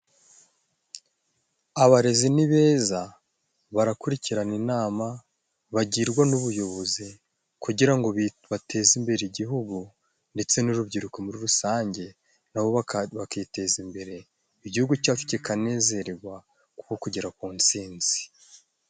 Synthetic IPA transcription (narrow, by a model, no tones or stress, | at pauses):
aβaɾe̞ziniβe̞ːza | βaɾakuɾiciɾaninaːma | βaɟiːɾɡwanuβujo̞βo̞zi | kuɟiɾaŋɡoβatʰe̞zimbe̞ɾeiɟiɦuɡu | nde̞t͡se̞nuɾubɟiɾukomuɾiɾusaːɲɟe̞ | naβo̞ββakite̞zimbe̞ɾe̞ | iɟihuɡucafi̥tekane̞ːze̞ɾeɡwa | ku̥ko̞kuɟeɾakuːnt͡siːnz̥i̥